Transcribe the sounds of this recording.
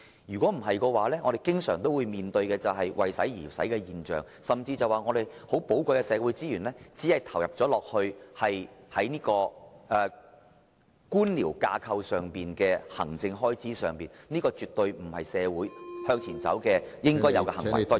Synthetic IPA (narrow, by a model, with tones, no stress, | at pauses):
jyː˨˩kʷɔː˨˥m̩˨˩ɦɐ˨jkɔː˧waː˨˥lɛː˥ŋɔː˨˧de˨˩jkɪ˥ŋsœː˨˩ŋt̪o˥wuː˨˧jmiː˨nt̪ɵ˧ɥkɛː˧t͡sɐ˨wɦɐ˨jwʔɐ̰˨jsɐ˨˥jjiː˨˩sɐ̰˨˥jkɛː˧jiː˨nt͡ʃœ̰ː˨˩ŋ | sɐ˨mt͡siː˧t͡sɐ˨waː˨˩ŋɔː˨˧d̪e˨jho˨˥wpo˨˥wkʷɐ˧jkɛ˧sɛː˨˧wu˨˥jt͡siː˥jyː˨˩nlɛː˥t͡siː˨˥hɐ˨˩jt̪ʰɐ˨˩wjɐ˨˩p̚t͡sɔː˨˥lɔː˨k̚hɵ˧ɥhɐ˨jhɐ˨˥jniː˥kɔː˧ʔɛː˨ | kuː˥nliː˨˩wka̰ː˧kʰɐ˧wsœː˨ŋpiː˨nkɛː˧hɐ̰˨˩ŋt͡sɪ˧ŋɦɔː˥jt͡siː˨˥sœ̰ː˨ŋpiː˨nniː˥kɔː˧t͡ʃyː˨t̪ɵ˧ɥm̩˨˩hɐ̰˨jsɛː˨˧wuː˨˥jhœː˧ŋt͡sʰiː˨˩nt͡sɐ̰˨˥wkɛː˧jɪ˥ŋkɔː˥jɐ̰˨˧wkɛ˧hɐ˨˩ŋɐ̰˨˩